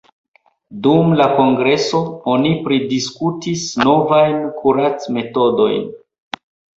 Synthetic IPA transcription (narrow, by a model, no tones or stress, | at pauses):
dumlako̞ŋɡɾe̞so̞o̞nipɾidiskutisno̞vajnkʰuɾat͡sme̞to̞do̞̰jn